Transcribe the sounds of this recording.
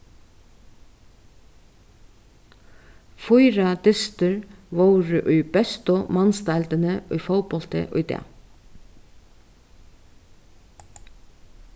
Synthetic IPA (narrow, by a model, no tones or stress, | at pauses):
fʊɪɾɑd̪ʏst̪əɹʋoːɾəʔʉʏbœst̪ɔmɑnst̪ɑld̪ənəʔʉːfɔwbɔlt̪ə̰ʔʉ̰ʏd̪ḛː